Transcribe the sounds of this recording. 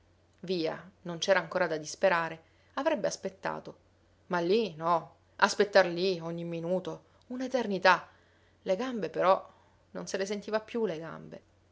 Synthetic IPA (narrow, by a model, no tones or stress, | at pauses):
viːa̰nont͡ʃɛːɾaːŋkoːɾad̪ad̪ispeɾaːɾe | avɾɛbːeaspet̪ːa̰ːt̪o | malːinɔ | aspet̪ːaɾlioɲːimːinuːt̪o | unaet̪ernit̪a | leɡambepeɾɔ | nonselesent̪iːvapːjuleɡa̰mbe